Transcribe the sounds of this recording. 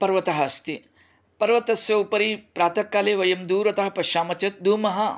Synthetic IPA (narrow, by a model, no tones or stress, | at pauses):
pɐɾʋɐt̪ɐɦɐst̪i | pɐɾʋɐt̪ɐsjɐupɐɾipɾaːt̪ʰɐkːaːleːʋɐjɐmd̪uːɾɐt̪ɐɦɐpɐʃaːmɐt͡ʃɐt̪̚d̪uːmɐɦɐ